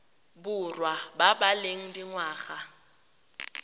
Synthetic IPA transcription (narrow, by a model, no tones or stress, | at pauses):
bʊrwababaleŋ̩diŋwaːɣa